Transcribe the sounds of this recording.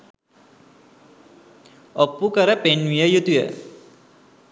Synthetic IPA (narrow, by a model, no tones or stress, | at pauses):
opːukəɾəpenʋijəjut̪ujə̰